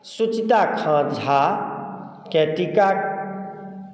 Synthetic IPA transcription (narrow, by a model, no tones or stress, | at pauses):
sut͡ʃit̪akʰəɾd͡ʒʱa | kɛʈika